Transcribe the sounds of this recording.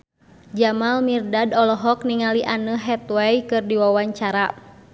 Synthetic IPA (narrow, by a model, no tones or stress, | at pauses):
d͡ʒamalmirdadɔlɔɦɔkniŋaliʔanəɦɛt̪wɛjkɨrdiwawaɲt͡ʃaɾa